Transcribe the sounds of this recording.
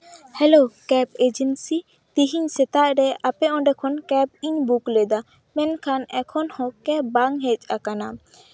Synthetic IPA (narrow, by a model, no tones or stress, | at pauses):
hɛlokɛped͡ʒɛnsi | t̪iɦiɲsɛt̪aʔɾɛapɛɔ̃ɖɛkʰɔnkɛp̚iɲbuklɛd̪a | mɛnkʰanɛkʰɔnhɔ̃kɛbaŋɦɛt͡ʃʼakana